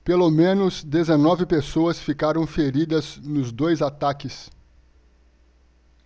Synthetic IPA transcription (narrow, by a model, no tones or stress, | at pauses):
pelomẽnʊzd̪ezenɔvɪpesoɐsfikaɾɐ̃w̃feɾid̪ɐznʊzd̪ojzat̪akɪs